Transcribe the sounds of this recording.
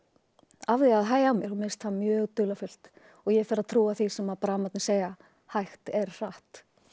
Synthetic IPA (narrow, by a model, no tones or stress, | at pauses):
avðɪaðɦaːjamjɛɾhumɪst̪hanmjœːɣt̪ʏlafʏl̥t̪ | ɔɣjɛɣfɪɾaðt̪ʰɾuːaθisɛmaðpaɾamat̪nɪseːjɣa | hajxt̪ɛɾr̥aht̪